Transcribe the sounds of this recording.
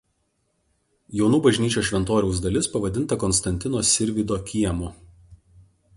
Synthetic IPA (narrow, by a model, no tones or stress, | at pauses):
jɛʊnuːbɐʒʲnʲiːt͡ʃʲoːʃʲʋʲɛnt̪oːɾʲɛʊsd̪ɐlʲɪspɐʋɐd̪ʲɪnˑt̪ɐkɔnst̪ɐnʲt̪ʲɪnoːsʲɪɾʲʋʲɪd̪oːkʲiɛmo